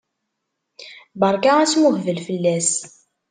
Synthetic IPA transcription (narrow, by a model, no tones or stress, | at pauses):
bəɾˤkaæsmʊhvəlfəlːæs